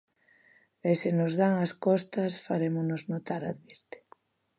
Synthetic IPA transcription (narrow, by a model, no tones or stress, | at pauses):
esɪnozðaŋaskɔst̪ɐsfaɾemonoznot̪aɾa̰ðβiɾt̪ɪ̥